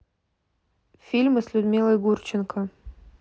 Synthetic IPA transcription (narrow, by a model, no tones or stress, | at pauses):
fʲilʲmɨslʲʊd̪mʲilˠəjɡurt͡ɕɪnkə